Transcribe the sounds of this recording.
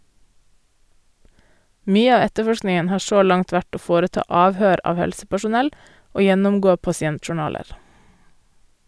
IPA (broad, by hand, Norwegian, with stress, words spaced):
ˈmyːə ˈɑː ˈɛtəˌfɔʃknɪŋən ˈhɑːɾ ˈʃoː ˈlɑŋt ˈʋæʈ ˈoː ˈfoːɾəˌtɑː ˈɑːʋhøːɾ ˈɑːʋ ˈhɛlsəpæʃʊˌnɛl ˈoː ˈjɛnʊmˌɡoː pɑsɪˈɛntʃʊˌɳɑːləɾ